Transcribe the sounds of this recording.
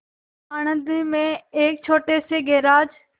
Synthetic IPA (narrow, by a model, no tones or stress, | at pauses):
aːɽ̃ə̃nd̪mẽeːk̚t͡ʃʰoːʈeseɡeːɾaːd͡ʒ